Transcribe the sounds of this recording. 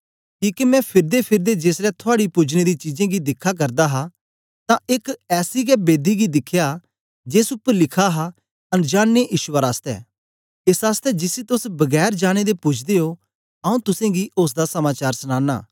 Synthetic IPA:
kiːkimɛ̃pʰɪɾd̪epʰɪɾd̪ed͡ʒeːsɾɛt̪ʰʊaːɽipʊd͡ʒned̪it͡ʃiːd͡ʒẽɡid̪ɪkʰːak̬ɐɾd̪aɦa | t̪ãɪkɛːsiɡɛbeːd̪iɡid̪ɪkʰːja | d͡ʒeːsʊpːəɾlɪkʰaɦa | ɐnd͡ʒaːɽneʔiːʃaɾaːst̪ɛ̰ː | ɪsaːst̪ɛd͡ʒɪsit̪ʊsbɐɡɛːɾd͡ʒaːɽ̃ed̪epʊt͡ʃʰd̪eɦo | ɐũt̪ʊsẽɡiʔʊs̬d̪asɐmaːt͡ʃaːɾsñãːna̰ː

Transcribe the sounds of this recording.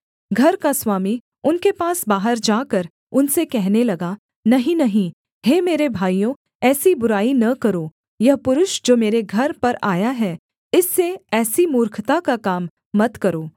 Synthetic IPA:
ɡʱɐɾkaswaːmi | ʊnkepaːsbaːɦəɾd͡ʒaːkɐɾ | ʊnsekɛɦnelɐɡa | nɐɦĩnɐɦĩ | heːmeːɾebʱaːijõ | ɛːsibʊɾaːinɐkɐɾoː | jɐɦpʊɾʊʃd͡ʒoːmeːɾeɡʱɐɾpɐɾaːjaɦɛː | ɪsːeɛːsimʊːɾkʰt̪akakaːmː | ɐt̪kɐɾoː

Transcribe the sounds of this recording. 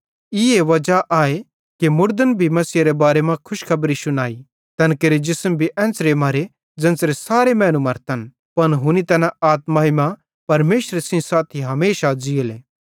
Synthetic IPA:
ɪeʋɐd͡ʒaʔaːe | kemʊɾd̪ənbʱimɐsiːɾebaːɾemãkʰʊʃkʰɐbɾisʊnaːi | t̪ɛnkeɾed͡ʒɪsəmbʱiʔɛ̃ːnsɾemaːɾe | d͡zɐ̃nsɾesaːɾemɛ̃ːñumɐɾt̪ən | pɐnɦʊnit̪ɛːnaaːt̪maːɦimã | pɐɾmeːʃɾesɪ̃saːt̪ʰiɦɐmeːʃad͡ʒieleː

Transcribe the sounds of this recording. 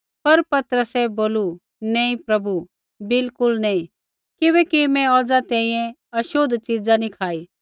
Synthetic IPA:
pɐɾpɐt̪ɾəsɛboːlu | nɛːĩpɾɐbu | bɪlkʊlnɛĩ | kɪβɛːkimɛ̃ɔːd͡zat̪ɛːĩjɛ̃ | ɐʃoːd̪ʱt͡ʃid͡zanikʰaːiː

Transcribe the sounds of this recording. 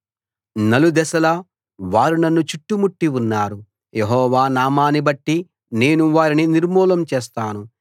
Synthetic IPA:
nɐlud̪ɛsɐlɐ | ʋaːɾinɐnːut͡ʃuʈːumuʈːiwunːaːɾu | jeɦɔːʋaːnaːmaːnibɐʈːi | ne̞ːnuʋaːɾininiɾmuːlɐmt͡ʃeːs̬t̪aːnu

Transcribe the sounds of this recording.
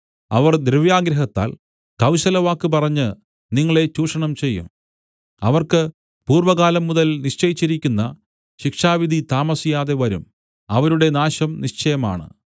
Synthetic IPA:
ɐ̰ʋɐrd̪ɾuʋjaːɡɾɐɦɐt̪ːa̰ːl | kɐwɕɐlɐʋaːkːɨp̬ɐrɐɲːɨ | niŋːɐɭe̞t͡ɕuːʂɐɳɐmt͡ɕe̞jːṵm | ɐʋɐrkɨ | puːrʋɐɣaːlɐmːuðɐlniʂt͡ɕɐjit͡ɕːiɾikʲːunːɐ | ɕikʂaːʋid̪ʱit̪aːmɐsijaːðe̞ʋɐɾum | ɐʋɐɾuɽe̞naːɕɐmniʂt͡ɕɐjɐma̰ːɳɨ̰

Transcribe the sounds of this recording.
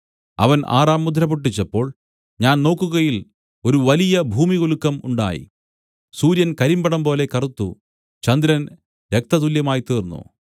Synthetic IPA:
ɐ̰ʋɐna̰ːraːmːud̪ʱɾɐpuʈ̬ːit͡ɕːɐpːo̞ːɭ | ɲaːnno̞ːkːuɣɐjil | o̞ɾuʋɐlijɐbʱuːmiɣoɭukːɐmṵɳɖa̰ːjḭ | suːɾjɐnkɐɾimbɐɽɐmbo̞ːle̞kɐrut̪ːṵ | t͡ɕɐnd̪ɾɐn | ɾek̚t̪ɐt̪uljɐmaːjit̪iːrnːṵ

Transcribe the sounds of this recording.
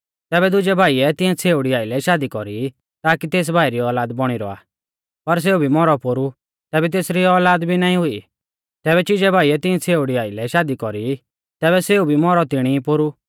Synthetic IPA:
t̪ɛːβɛd̪ʊd͡ʒɛbʱaːiɛt̪ɪɛ̃t͡sʰeːuɽiaːilɛʃaːd̪ikɔɾi | t̪aːkit̪eːs̬bʱaːiɾiɔːlaːd̪bɔɽ̃iɾɔ̰a̰ː | pɐɾs̬eːubʱimɔɾɔpoɾu | t̪ɛːbɛt̪̬eːsɾiɔːlaːd̪bʱinaːĩɦʊi | t̪ɛːβɛt͡ʃid͡ʒɛbʱaːiɛt̪ɪ̃ɛ̃t͡sʰeːʊɽiaːilɛʃaːd̪ikɔɾi | t̪ɛːbɛseːubʱimɔɾɔt̪ɪɽ̃ipoɾu

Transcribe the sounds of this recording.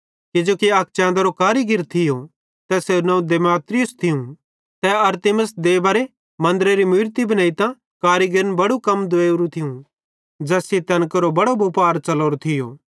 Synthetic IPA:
kɪd͡ʒoːkiɐk̚t͡ʃɛ̃ːnd̪ɐɾokaːɾiɡɪɾt̪ʰɪjo | t̪ɛsenɐ̃ũd̪eːmaːt̪ɾɪjʊst̪ʰɪjũ | t̪ɛɐɾt̪ɪməsd̪eːbaɾe | mɐ̃nd̪əɾeɾimʊːɾt̪ibɐnaːit̪ã | kaːɾiɡɪɾənbɐɽukɐmd̪ʊeːuɾũt̪ʰɪũ | d͡ʒɐːsit̪ɐnkəɾobɐɽobuːpaːɾt͡ʃɐloːɾot̪ʰɪjo̰ː

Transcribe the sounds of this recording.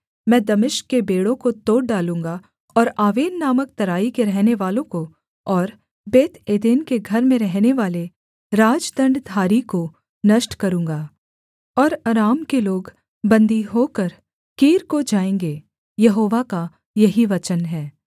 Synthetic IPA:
mɛ̃ːd̪ɐmɪʃkːebeːɽõkot̪oːʈ̚ɖaːlũːŋɡa | ɔːɾaːʋeːnːaːmək̚t̪ɐɾaːikeɾɛɦneʋaːlõko | ɔːɾ | beːt̪eːd̪eːnkeɡʱɐɾmẽɾɛɦneʋaːle | ɾaːd͡ʒd̪ə̃ɳɖd̪ʱaːɾiko | nɐʃʈkɐɾũːŋɡaː | ɔːɾɐɾaːmkeloːɡ | bɐ̃nd̪iɦoːkəɾ | kiːɾkod͡ʒaːẽːŋɡeː | jɐɦoːʋaka | jɐɦiʋɐt͡ʃənɦɛː

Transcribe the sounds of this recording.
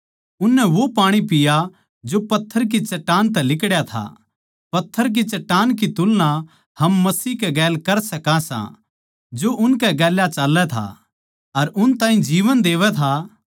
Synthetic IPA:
ʊnːɛʋopaːɽ̃ipɪja | d͡ʒopɐt̪ʰːəɾk̬it͡ʃɐʈːaːnt̪̬ɛlɪkɽjat̪ʰa̰ | pɐt̪ʰːəɾk̬it͡ʃɐʈːaːnk̬it̪ʊlna | hɐmːɐsiːkɛɡɛːlkɐɾsɐkãsã̰ | d͡ʒoʔʊnkɛɡɛːljat͡ʃɐlːɛt̪ʰa̰ | ɐɾʊnt̪ãːɦĩd͡ʒiːʋənd̪eːʋɛt̪ʰa

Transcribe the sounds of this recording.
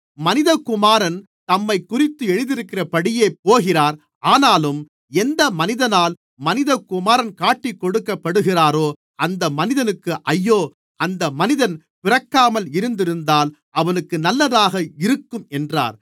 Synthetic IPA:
mɐnɪðɐkːʊmaːɾɐn | t̪ɐmːɐɪkːʊrɪt̪ːɯɛɻɯðɪɾɯkːɪrɐpɐɽɪjeːpːoːɣɪraːɾ | aːnaːlɯm | ɛnd̪ɐmɐnɪðɐnaːl | mɐnɪðɐkʊmaːɾɐnkaːʈːɪkːɔɽɯkːɐpːɐɽɯɣɪraːɾoː | ɐnd̪ɐmɐnɪðɐnɯkːɯʔɐjːoː | ɐnd̪ɐmɐnɪðɐn | pɪrɐkːaːmɐlɪɾɯnd̪ɪɾɯnd̪aːl | ɐʋɐnɯkːɯnɐlːɐðaːɣɐɪɾɯkːɯmɛndra̰ːɾ

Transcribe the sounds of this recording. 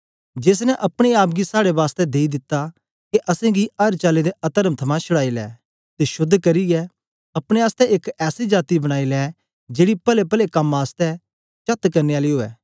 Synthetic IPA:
d͡ʒeːs̬nɛʔɐpɽ̃eaːpɡisaːɽeʋaːst̪ɛd̪eːid̪ɪt̪ːa | keʔɐsɛ̃ɡiɐɾt͡ʃaːled̪eɐt̪əɾəmt̪ʰɐmãt͡ʃʰʊɽaːilɛ̰ː | t̪eʃʊd̪ʱːkɐɾiɛ | ɐpɽ̃eaːst̪ɛʔeːkɛːsid͡ʒaːt̪ibɐɽ̃aːilɛː | d͡ʒeːɽipɐlepɐlekɐmaːst̪ɛ | t͡ʃɐt̪kɐɾneaːliɦoːɛ̰ː

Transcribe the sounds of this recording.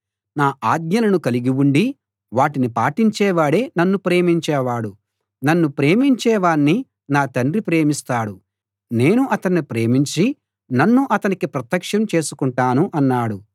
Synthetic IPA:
naːʔaːd̪ɲɐlɐnukɐliɡiwuɳɖi | ʋaːʈinipaːʈiɲt͡ʃɛːʋaːɽe̞ːnɐnːupɾe̞ːmiɲt͡ʃɛːʋaːɽu | nɐnːupɾe̞ːmiɲt͡ʃɛːʋaːnːi | naːt̪ɐndɾipɾe̞ːmist̪aːɽu | ne̞ːnuʔɐt̪ɐɳːipɾe̞ːmiɲt͡ʃi | nɐnːuʔɐt̪ɐnikipɾɐt̪ːɐkʂɐmt͡ʃe̞ːsukuɳʈaːnuʔɐnːaːɽu

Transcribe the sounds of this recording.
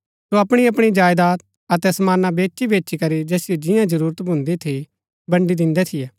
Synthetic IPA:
soɐpɽ̃iɐpɽ̃id͡ʒaːjd̪aːt̪̚ | ɐt̪ɛsɐmaːnabeːʃibeːt͡ʃʃikɐɾid͡ʒɛːsɪjod͡ʒɪjãd͡ʒɐɾuːɾət̪bʱʊ̃nd̪et̪ʰi | bɐ̃ɳɖid̪ɪ̃nd̪ɛt̪ʰɪjɛː

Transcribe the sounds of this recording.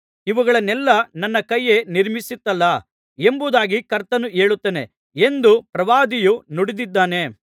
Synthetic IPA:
iʋuɡɐɭɐnɛlːɐnɐnːɐkɐjːeniɾmisit̪ːɐlːɐ | e̞mbud̪aːɡikɐɾt̪ɐnueːɭut̪ːene̞̰ | end̪upɾɐʋaːd̪ijunoɽid̪id̪ːaːne̞

